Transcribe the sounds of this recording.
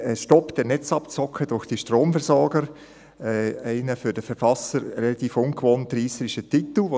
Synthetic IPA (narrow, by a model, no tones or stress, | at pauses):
ɛʃtɔpd̥ɛnɛt͡sɑpt͡sɔkʰədʊɹxd̥iʃtroːmfɛɾsɔrɡ̥əɾ | ɛːæɪnəfʏd̥əfɛɾfɑsəɾrɛlɑt̪iːfʊnkvoːntriːsəɾɪʃətitl̩ʋo